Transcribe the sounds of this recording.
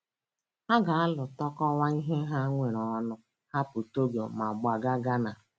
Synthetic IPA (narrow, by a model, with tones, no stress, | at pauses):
ha˦ɡa˨a˦lʊ˨tɔ˦kɔ˦wa˦i˦ɦe˦ɦa˦ŋʷe˨ɾɔ˨˦nʊ˦ | ha˦pʊ˨to˦ɡo˨ma˨ɡ͡ba˨ɡa˦ɡa˦na˨